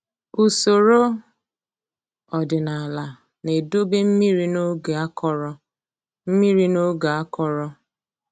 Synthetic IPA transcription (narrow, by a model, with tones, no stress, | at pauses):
u˨so˨ɾo˦ | ɔ˨dɪ˨na˨a˨la˨ | ne˨do˦be˦m̩˦mi˦ɾi˦no˦ɡa˦kɔ˦ɾɔ˦ | m̩˦mi˦ɾi˦no˦ɡa˨a˦kɔ˦ɾɔ˦